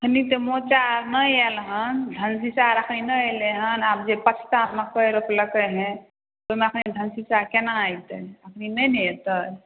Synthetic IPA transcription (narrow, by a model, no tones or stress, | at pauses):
kʰnit̪emot͡ʃaɾnəjɛlɦənd̪ʱənsisaɾəkʰninəeleɦənaːp̚d͡ʒepət͡ʃʰt̪amekəjɾəpləkeɦɛ̃ | t̪omẽəkʰnid̪ʱənsisaɾkenaːjt̪eəkʰninəjneet̪ə